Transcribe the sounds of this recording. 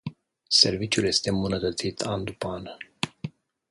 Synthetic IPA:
se̞rvit͡ʃjulje̞st̪e̞mbunət̪ət̪sit̪ʰand̪upanə

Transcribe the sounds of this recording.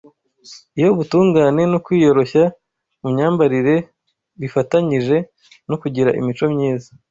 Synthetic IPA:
ijo̞βutuːŋɡaːne̞nokwiːjo̞ɾo̞ça | mumɲaːmbaɾiɾe̞ | βifataɲiʒe̞ | nokuɟiɾaʔḭmit͡ʃo̞mɲiːza

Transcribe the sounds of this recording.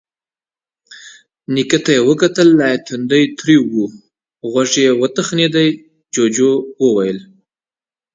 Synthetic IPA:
nikət̪ajewəkat̪əlːajat̪ʰund̪əjt̪ɾiwu | ɣwaʐejewət̪əxned̪aj | d͡ʒod͡ʒowəwajəl

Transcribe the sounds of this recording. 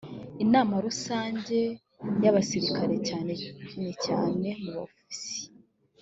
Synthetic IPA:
inaːmaɾusaːɲɟe̞ | jaβasiɾikaɾe̞caːneiɲeca̰ːne̞muβa̰fisi̥

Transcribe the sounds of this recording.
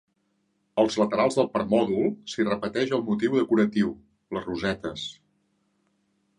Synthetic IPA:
əlˠzlət̪əɾalˠzðəlˠpəɾmɔðulˠsirəpət̪ɛʒəlˠmut̪iwðəkuɾət̪iw | ləruzɛt̪əs

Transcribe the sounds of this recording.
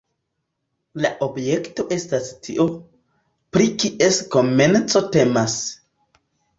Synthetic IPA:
laʔobje̞kto̞ʔe̞stastʰiʔo̞ | pɾikiʔe̞sko̞me̞nt͡so̞te̞mas

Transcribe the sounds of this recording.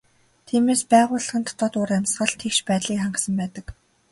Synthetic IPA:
t̪ʰiːmeːspæːʁʊːɮ̆χə̆nt̪ʰɔ̥t̪ɔːt̪ʊɾæmsχə̆ɮt̪ʰekʃpæːt̪ɮiːkχaɴɢ̆sə̆mpæːt̪ə̆k

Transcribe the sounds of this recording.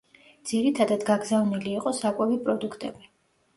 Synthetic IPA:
d̪z̥iɾit̪ʰad̪ad̪ɡaɡzavniliːqʼɔsakʼwɛvipʼɾɔd̪ukʰt̪ʼɛbi

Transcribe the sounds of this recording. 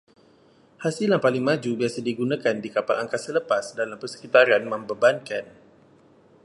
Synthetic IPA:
hasilaŋpalɪŋmad͡ʒubiasadiɡunakandikapa̰lʔa̰ŋkasələpasdalampərsə̥kit̪aɾianməmbəbankan

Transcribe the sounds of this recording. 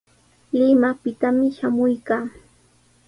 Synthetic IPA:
lɪmapɪt̪amɪʃamʊjkaː

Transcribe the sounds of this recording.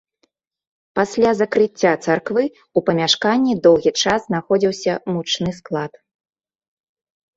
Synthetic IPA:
pasʲlʲazɐkɾɨt͡st͡sʲːat̪sarkvɨ | upɐmʲaʂkanʲːid̪ɔwɣʲit͡ʂazznaxɔd͡zʲiwsʲɐmut͡ʂnɨsklˠat̪

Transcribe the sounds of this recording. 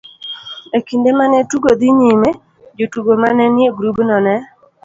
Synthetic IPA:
ekindemanɛtuɡod̪ɪɲime | d͡ʒotuɡomanɛnjeɡɾubnɔnɛ

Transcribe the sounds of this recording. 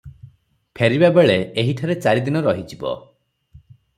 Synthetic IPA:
pʰeɾibabeɭeeɦiʈʰaɾet͡ʃaɾid̪inɔɾɔɦid͡ʒibɔ̰

